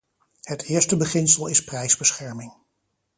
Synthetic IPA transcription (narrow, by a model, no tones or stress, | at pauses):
hətɪːəɹstəbəχɪnsəlˠɪsprɛjzbəsχɛɹmɪŋ